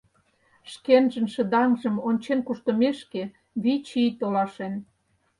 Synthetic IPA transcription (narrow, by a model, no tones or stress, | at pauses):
ʃkenʒə̆nʃə̆d̪ɑŋʒə̆monʲt͡ɕenkuʃt̪ə̆meʃke | βit͡ɕit̪olɑʃen